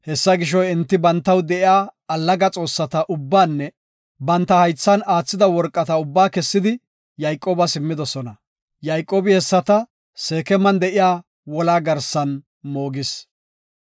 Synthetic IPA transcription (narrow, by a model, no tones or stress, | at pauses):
hɛsːɐɡɪʃ̬ɔɪnt̪ːɪbɐnt̪ːɐwd̪ɛɪjaːɐlːɐɡɐt͡sʼo̞ːsːɐt̪ɐʔʊbːaːnːɛ | bɐnt̪ːɐhɐjt͡sːɐnaːt͡sːɪd̪ɐwɔɾkʼːɐt̪ɐʊbːaːkɛsːɪd̪ɪ | jɐjkʼːoːbɐsɪmːɪd̪ɔsɔnɐ | jɐjkʼːoːbɪhɛsːɐt̪ɐ | se̞ːkɛmɐnd̪ɛʔɪjaː | wɔlaːɡɐɾsːɐn | mo̞ːɡɪs